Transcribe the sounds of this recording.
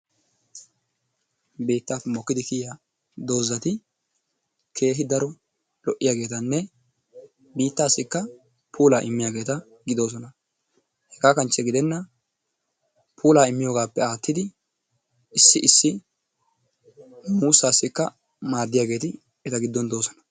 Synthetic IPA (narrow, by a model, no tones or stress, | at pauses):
beːt̪ːaːfːɛmɔkːɪd̪ɪkɪja | d̪o̞ːzɐt̪ɪ | kʰe̞ːɦɪd̪ɐɾɔ | lɔʔːɪjaːɡe̞ːt̪ɐnːɛ | biːt̪ːaːsɪkːɐ | pʰuːlaːʔɪmːɪjaːɡe̞ːt̪ɐ | ɡɪd̪o̞ːs̬ɔnɐ | hɛɡaːkɐnt͡ʃːɛɡɪd̪ɛnːɐ | pʰuːlaːɪmːɪjoːɡaːpːɛaːt̪ːɪd̪ɪ | ɪsːɪʔɪsːɪ | muːsːaːsɪkːɐ | maːd̪ːɪjaːɡe̞ːt̪ɪ | ɛt̪ɐɡɪd̪ːɔnd̪o̞ːsɔnɐ̥